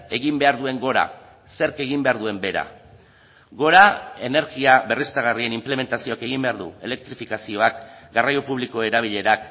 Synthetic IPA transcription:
e̞ɣimbe̞aɾðue̞ŋɡo̞ɾa̰ | se̞ɾke̞ɣimbeaɾðue̞mbe̞ɾa̰ | ɡo̞ɾae̞ne̞ɾɣiaβe̞rist̪aɣ̞arie̞nimple̞me̞nt̪asio̞ake̞ɣ̞imbe̞aɾðṵe̞le̞k̚t̪ɾifikasio̞akɡarajopuβ̞liko̞e̞ɾaβ̞iʎe̞ɾak

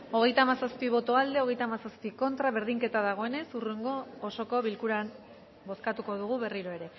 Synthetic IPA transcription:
o̞ɣ̞e̞jt̪amasaspiβ̞o̞t̪o̞ald̪e̞o̞ɣ̞e̞jt̪amasaspiko̞nt̪ɾaβe̞ɾðiŋke̞t̪aðaɣ̞o̞e̞ne̞sureŋɡo̞ːso̞ko̞βilkuɾan | bo̞skat̪uko̞ðuɣ̞uβe̞riɾo̞e̞ɾe̞

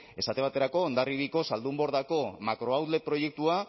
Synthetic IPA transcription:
e̞sat̪e̞β̞at̪e̞ɾako̞ːnd̪ariβiko̞sald̪umbo̞ɾðako̞makɾo̞awðle̞pɾo̞je̞k̚t̪ua

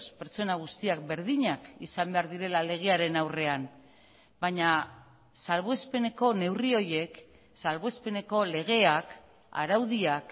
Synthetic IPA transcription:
spe̞ɾt͡so̞naɣ̞ust̪iak̚be̞ɾðiɲakḭsambe̞aɾðiɾe̞lale̞ɣ̞eaɾe̞nawre̞am | baɲa | salβ̞oespe̞ne̞ko̞ne̞wrio̞ɾje̞k | salβoe̞spe̞ne̞ko̞le̞ɣ̞e̞ak | a̰ɾawðiak

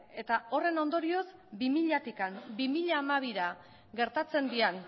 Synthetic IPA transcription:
e̞t̪ao̞re̞no̞nd̪o̞ɾio̞zbimiʎat̪ikambimiʎaːmaβ̞iɾa | ɡe̞ɾt̪at͡se̞nd̪ian

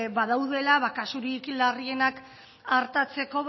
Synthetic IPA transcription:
βaðawðe̞laβakasuɾiklarie̞nak | aɾt̪at͡se̞ko̞β

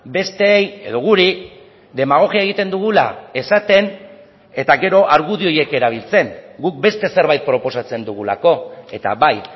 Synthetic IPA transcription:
be̞st̪e̞ːje̞̰ðo̞ɣ̞uɾi | d̪e̞maɣ̞o̞ɣiaeɣ̞it̪e̞nd̪uɣ̞ula̰e̞sat̪e̞n | e̞t̪aɡe̞ɾo̞ʔaɾɣuðio̞je̞ke̞ɾaβ̞ilt͡se̞ŋɡuk̚be̞st̪e̞se̞ɾβajt̪̚pɾo̞po̞sat͡se̞nd̪uɣ̞ula̰ko̞e̞t̪a̰βaj

